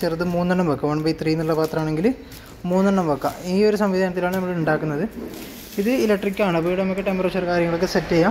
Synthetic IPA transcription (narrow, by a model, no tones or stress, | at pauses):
t͡ɕert̪ːɨmuːnːɐɳːɐmbɐkːɐʋɐɳbɐjit̪riːnːuɭːɐpaːt̪rɐaːɳe̞ŋɡil | muːnːɐɳːɐmbɐkːɐ̰iːo̞ɾusɐmʋid̪ʱaːnɐt̪ːilaːɳɨnɐmːɐɭeuɳɖaːkːunːɐðɨ | iðɨilɐkʈrikʲːaːɳɨɐpoːjiɽenɐmokːɨʈempɐret͡ɕːɐrkaːɾjɐŋːɐɭokːɨsetːeja